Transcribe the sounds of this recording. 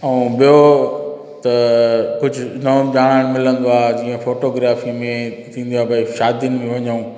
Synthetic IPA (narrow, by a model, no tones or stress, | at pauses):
ɐũbijo | t̪ɐkʊd͡ʑʱʊnɐʄaːɽ̃aːɽ̃mɪlə̃nd̪oaːd͡ʑiːə̃foːʈoːɡɾaːfimẽt̪ʰĩːn̆d̪oaːbɐiʃaːd̪iənɪ̆mẽʋɐɲũː